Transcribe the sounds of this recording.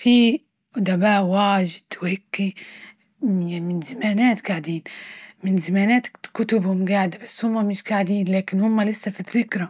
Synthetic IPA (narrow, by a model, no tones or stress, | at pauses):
fi | d̪abaːʔwaːʒɪd̪̥whɪkːi | jamɪnzamaːnaːt̪ɡaʕd̪iːnmɪnzamaːnaːt̪kʊt̪ʊbhʊmɡaːʕd̪abasːhʊmːamɪʃɡaʕd̪iːnlaːkɪnhʊmːalɪsːafiðːɪkɾa